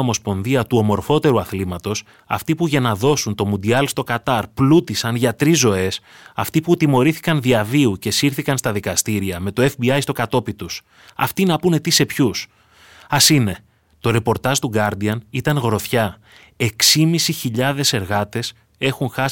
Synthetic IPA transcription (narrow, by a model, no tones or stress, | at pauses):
omo̞spo̞nðiɐt̪uo̞mo̞ɾfo̞t̪e̞ɾuɐθlimɐt̪o̞s | ɐ̰ft̪ipuʝɐnɐðo̞sunt̪o̞mund̪iɐlst̪o̞kɐt̪ɐɾplut̪isɐnʝɐt̪ɾizːo̞e̞s | ɐ̰ft̪iput̪imo̞ɾiθi̥kɐnðiɐviuce̞siɾθikɐnst̪ɐðikɐst̪iɾiɐme̞t̪o̞e̞fbiɐjst̪o̞kɐt̪o̞pit̪us | ɐ̰ft̪inɐpune̞t̪ise̞pçus | ɐsine̞ | t̪o̞ɾe̞po̞ɾt̪ɐzt̪uɡɐɾd̪iɐnit̪ɐnɣɾo̞θçɐ | e̞ksimisiçiʎɐðe̞se̞ɾɣɐt̪e̞s | e̞xunxɐ